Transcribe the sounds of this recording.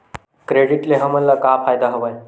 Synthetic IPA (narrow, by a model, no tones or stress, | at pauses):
kɾeɽiʈleɦəməlːakafajd̪aɦəʋaj